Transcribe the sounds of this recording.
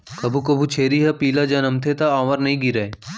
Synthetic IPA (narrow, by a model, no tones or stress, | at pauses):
kɐbʱukɐbʱut͡ʃʰeːɾiɦɐpiːlad͡ʒɐnɐmt̪ʰet̪aaːʋəɾnɐɦĩɡiɾɐe